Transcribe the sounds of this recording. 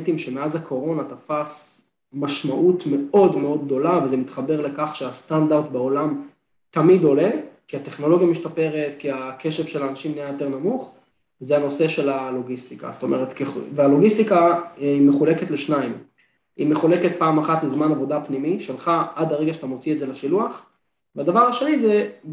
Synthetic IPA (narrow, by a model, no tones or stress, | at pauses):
timʃemeazakʰo̞ʁo̞nat̪afas | maʃmaʔutme̞o̞dmeo̞d̪̚ɡ̚d̪o̞lavezemit̪χabe̞ʁle̞kaχʃeastandaʁtbeolam | tamido̞le̞kiate̞χno̞lo̞ɡijamiʃtape̞ʁe̞tkiake̞ʃevʃelanaʃimnijajote̞ʁnamuχ | vezeano̞se̞ʃe̞lalo̞ɡist̪ika̰sto̞meʁet̪kevealo̞ɡistikaimeχule̞ketleʃnaim | ime̞χule̞ket̚paːmaχatlezmanavo̞dapnimiʃelχaadaʁeɡaʃatamo̞t͡sietzelaʃiluaχ | veadavaʁaʃe̞nize